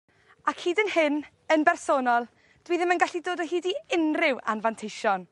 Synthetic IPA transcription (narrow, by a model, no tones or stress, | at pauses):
akʰhiːdənhɪn | ənbɛrsoːnɔlˠ | d̥wiːðɪmənɡaɬidoːdɔɦiːdiɪnrɪwa̰nvantʰejʃɔn